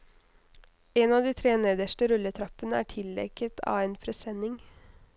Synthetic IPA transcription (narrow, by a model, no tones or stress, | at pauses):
eːnɑːd̪iːt̪ʰɾeːneːd̪əʃʈəɾʉlːət̪ʰɾɑpːənəæ̰ːʈʰɪlɛ̰kət̪ʰɑ̰ːʋeːnpʰɾɛsɛnɪŋ